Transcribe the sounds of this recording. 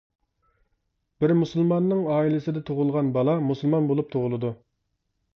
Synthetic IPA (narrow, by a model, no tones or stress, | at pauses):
b̥ɪɾmusɨlˠmɑnːɨŋɑːilɪsɪd̪ɛt̪ʰoʁʊlˠʁɑnbɑlˠɑmusɨlˠmɑnbolˠup̚t̪ʰoʁʊlˠɨd̪u